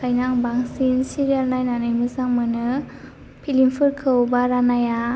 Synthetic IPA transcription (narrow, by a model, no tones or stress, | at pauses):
kʰajnaŋbaŋsinsiɾialnajnanɯjmɯsaŋmɯnɯ | pʰilimpʰɯɾkʰɯwbaɾanaja